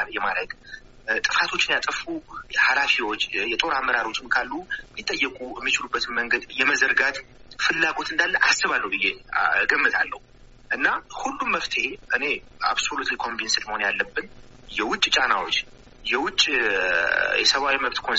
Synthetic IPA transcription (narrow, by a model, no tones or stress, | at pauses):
jɛmaɾəɡ | t̪ʼɨfat̪ʰo̞t͡ʃːɪnjat̪ʼɨfuhalafiwo̞t͡ʃːjɛt̪ʼo̞ɾamːəɾaɾo̞t͡ʃːɪmkʰalːumit̪ʼːəjːɛkʼujɛmːit͡ʃɪlubːət̪ʰɨnməŋɡəd̪jɛməzəɾɡat̪fɨlːaɡo̞t̪ɨnd̪alːəʔasːɨβalːəwbɨjːeɡəmːɨt̪ʰa̰lːə̰hu | ʔɨnːahulːumːəft̪ʰəhe̞ʔɨne̞ | a̰βso̞lut̪likʰo̞mbinsɨd̪məho̞njalːəbːɨn | jɛwʊt͡ʃʼt͡ʃʼanawo̞t͡ʃː | jɛwʊt͡ʃʼː | jɛsəβawiməβt̪kʰon